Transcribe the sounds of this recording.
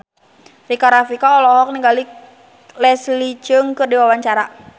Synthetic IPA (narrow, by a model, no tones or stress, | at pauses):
rikaɾafikaɔlɔɦɔk̚niŋɡali | lɛslit͡ʃəŋkɨrdiwawaɲt͡ʃaɾa